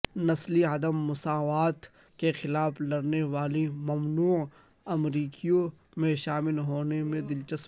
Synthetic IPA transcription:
nɐsliɐd̪əmːʊsaːʋaːt̪ | kexɪlaːfʰlɐɾneʋaːlimɐmnuː | ɐmɾiːkʰijõ | mẽʃaːmɪlɦoːnemẽd̪ɪlt͡ʃɐs

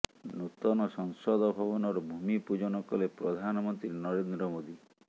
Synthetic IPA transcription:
nut̪ɔnɔsɔŋsɔd̪ɔbʱɔbɔnɔɾɔbʱumipud͡ʒɔnɔkɔlepɾɔd̪ʱanɔmɔnt̪ɾinɔɾend̪ɾɔmod̪i

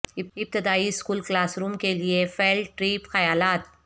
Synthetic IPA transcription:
ɪɪb̚t̪ɪd̪aːiskuːlklaːsɾuːmkeliefelʈɾiːpxɐjaːlaːt̪

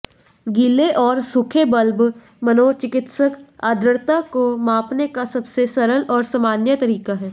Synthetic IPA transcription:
ɡiːleʔɔːɾsʊkʰebəlb | mɐnoːt͡ʃɪkɪt̪səka̰ːd̪ʱɾəɾt̪akomaːpnekasɐbsesɐɾəlɔːɾsaːmaːnjət̪ɐɾiːkaɦɛː

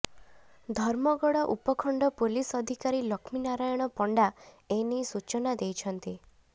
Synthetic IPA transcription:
d̪ʱɔɾmɔɡɔɽɔʔupɔkʰɔɳɖɔpolisɔd̪ʱikaɾilɔkʰminaɾajɔɽ̃ɔpɔɳɖa | enisut͡ʃɔnad̪ejt͡ʃʰɔnt̪i

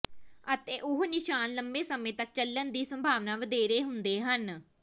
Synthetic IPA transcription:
ət̪eːʔʊɦnɪʃaːnləmbeːsəmẽːt̪ək̚t͡ʃəlːənd̪iːsəmbʱaːʋnaːʋəd̪eːɾeːɦʊnd̪eːɦən

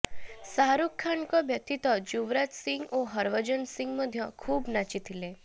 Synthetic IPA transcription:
saɦɾukʰːaɳkɔbʱjət̪it̪ɔd͡ʑuʋɾat̪sĩŋɡoɦəɾʋəd͡ʑənsiŋɡməd̪ʱːjəkʰuːbnat͡ɕit̪ʰile

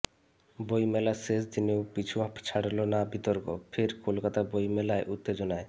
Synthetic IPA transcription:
bojmɛlasesd͡ʑinewpit͡ɕʰuapʰt͡ɕʰaɽalonabit̪oɾko̰fʰeɾkolkat̪abojmɛlaeʔut̪ːed͡ʑonae

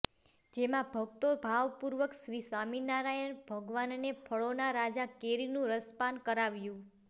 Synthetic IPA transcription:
d͡ʒemãbʱəɡ̚t̪obʱaʋpuɾʋəkʃɾisʋaminaɾajənbʱəɡʋannepʰəɭonaɾad͡ʒakeɾinũɾəspankəɾaʋjũ

